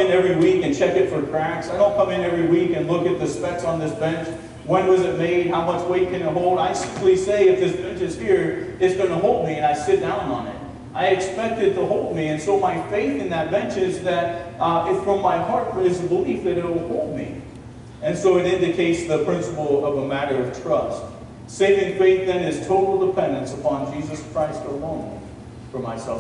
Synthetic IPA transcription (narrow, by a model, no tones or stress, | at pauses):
ɨ̃nɛvɹiwikɨ̃nt͡ʃʰɛkɨtfə˞kʰɹ̥æksaɪɾõʊ̃nkʰʌ̃mɨ̃nɛvɹiwikɨ̃nlʊkɨt̪̚ðɨspɛksn̩ðɪsb̥ɛ̃nt͡ʃ | wə̃nwʌzɨt̚meɪd̚ɦaʊmʌt͡ʃweɪt̚kʰɨ̃nɨɦoʊlˠdaɪsɪ̃mpliseɪɨfðɪsb̥ɛ̃nt͡ʃɨz̥hiɹɨtzsɡ̥ʌnəɦoʊlˠd̚miɨ̃naɪsɪt̚d̥ãʊ̃nə̃n̩ɪ̰t̚ | ʔaɪɨkspɛk̚tɨd̚tʰəɦoʊlˠd̚miɨ̃nsoʊmaɪfeɪθɨ̃nðɨt̚b̥ɛ̃nt͡ʃɪzðɨɾɪtfɹʌ̃mːaɪɦɑɹt̚fə˞ɨzəbəlifðɨɾɨt̚wəl̩ˠhoʊlˠd̚mḭ | ɨ̃nsoʊɨɾɪ̃ndɨkʰeɪtsðɨpʰɹ̥ɪ̃nsəpl̩ˠʌvəmæɾə˞ʌv̥tʰɹ̥ʌst̚ | seɪvɪ̃ŋfeɪθðɨ̃nɨz̥tʰoʊɾl̩ˠdəpʰɛ̃ndɨ̃nsəpʰɑ̃nd͡ʒizɨskʰɹ̥aɪstəlõʊ̃n̰ | fə˞maɪsɛlˠ